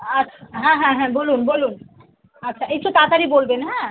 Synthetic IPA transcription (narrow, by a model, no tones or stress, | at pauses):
ɐtːʃʰɦãɦãɦɛ̃boːluːnboːluːn | ɐtːʃʰaeksot̪aːt̪aɾiboːlbenaɦã